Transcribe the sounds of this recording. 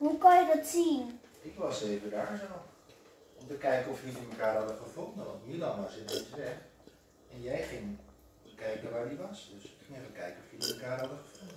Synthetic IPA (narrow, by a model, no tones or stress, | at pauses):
hukɔnjədɔtsinɪkʋɑseːvədaːɹsa | ɔmtəkɛjkənɔfjidəməkaːrɦɑdəχəfondənɔtmilɑnasɪnesʋɛ | ɛnjɛjχɪŋ | kɛjkəʋaːɹdiʋɑsdøsɪkɪŋɛfəkɛjkənɔfjiəməkaːrhɑdəχəfʊndə